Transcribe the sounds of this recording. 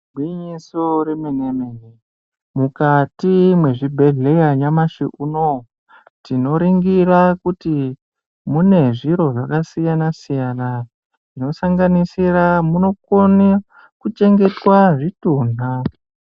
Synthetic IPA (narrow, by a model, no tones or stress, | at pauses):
bwiɲisoɾemenemene | mukatimwe̞ʐibʱe̞ɮe̞jaɲamaʃḭʔuno | tino̞ɾiŋɡiɾakuti | mune̞ʐiɾo̞ʐakasijanasijana | ʐ̥ino̞saŋɡanisiramuno̞koni | kut͡ʃe̞ŋɡe̞twaʐituːn̤a